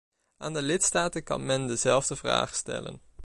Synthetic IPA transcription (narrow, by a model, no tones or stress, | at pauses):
aːndəlɪtstaːtənkɑ̰nmɛndəzɛlˠvdəvra̰ːχstɛ̰lə̰n